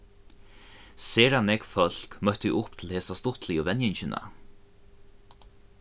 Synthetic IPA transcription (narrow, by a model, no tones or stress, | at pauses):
seːɾanɛkfœl̥kmœht̪ʏʔʊhpt̪ʰɪlheːsast̪ʊht̪lɪɔvɛnjɛɲt͡ɕɪna̰